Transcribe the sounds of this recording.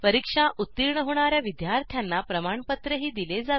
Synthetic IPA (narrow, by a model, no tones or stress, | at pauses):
pəɾikʂaʔut̪ːiɾɳəɦoɽ̃aɾjaʋid̪jaɾt̪ʰjanːapɾəmaɳpət̪ɾəɦiːd̪iled͡zat̪